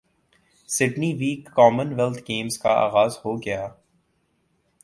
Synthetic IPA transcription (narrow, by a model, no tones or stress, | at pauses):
sɪʈniʋiːkːɔːmənʋɛlt̪ʰɡẽːmzkaa̰ːɣaːzhoɡɐjaː